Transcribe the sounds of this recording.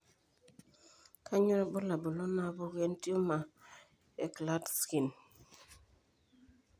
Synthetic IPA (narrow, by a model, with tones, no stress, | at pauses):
kʰa˦ɲo˦ɾbo˦la˨bu˨lo˦na˦˨˦bu˦ɡe˦nti˦o˦ma˨ | e˨kla˦tski˨n